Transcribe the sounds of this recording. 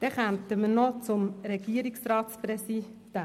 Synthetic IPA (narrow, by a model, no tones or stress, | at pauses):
d̥ɛχœnt̪əmənot͡sʊmɾɛɡiəɾiksrɑːtsprɛsid̥a